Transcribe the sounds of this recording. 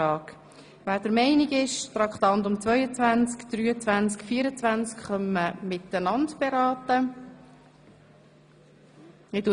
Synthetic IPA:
ɑːk | ʋæːd̥əɾmɛɪniɡɪʃtɾɑkχt̪ɑnt̪ʊmt͡svœʏət͡sʋænt͡skd̥̪ɾyːət͡sʋænt͡skfiːəɾət͡svænt͡skχœmːəmɪt̪ːənɑntb̥ɛɾɑːtə | ɪdu

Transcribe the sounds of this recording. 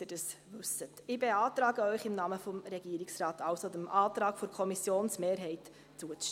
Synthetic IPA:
ɪd̥ɑsvʉsətɪbeɑːtɾɑːɡəœʏχɪmnɑːməfɔmɾɛɡ̥iːɾɪksrɑːtʰɑlsodəmʔɑːtɾɑːkfoɾkʰɔmisjoːnsmeːɾɦɛɪt | t͡suət͡s

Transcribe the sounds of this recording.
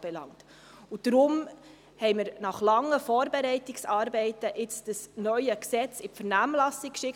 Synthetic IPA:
b̥ɛlɑ̰ŋt | ud̥ɾʊm | hɛɪmɪɾnɑχlɑŋːəfɔːɾbɛɾɛɪtɪksɑːɾbɛɪtəʔɪt͡sd̥əsnœʏəksɛt͡sɪfəɾnæːmlɑsikkʃɪk

